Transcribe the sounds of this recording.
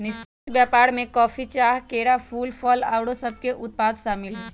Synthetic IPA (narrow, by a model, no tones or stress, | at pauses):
nɪsɪt̪bjaːpaːɽmẽkɔːfit͡ʃaːɦkeːɾafʰuːlpʰɔːla̰ːwɽosɐb̚keʔʊt̪̚paːd̪ʃaːmɪlɦɛ